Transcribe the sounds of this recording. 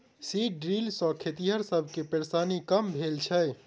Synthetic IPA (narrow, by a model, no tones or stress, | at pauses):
siɖɾilsɔ̃kʰet̪iɦəɾsəbʱkepeɾsanikəmbʱelt͡ʃʰɛ